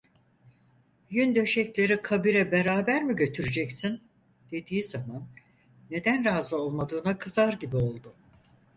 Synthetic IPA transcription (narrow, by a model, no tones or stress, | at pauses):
jynd̪ø̞ʃɛclʲe̞ɾikʰabiɾɛbe̞ɾaːbæɾmiɟø̞t̪ʰyɾyd͡ʒɛcsin | d̪̥e̞d̪iːizamanː | e̞d̪ænɾaːzɯo̞lˠmad̪ɯːnakʰɯzaɾɟibio̞lˠd̪ʊ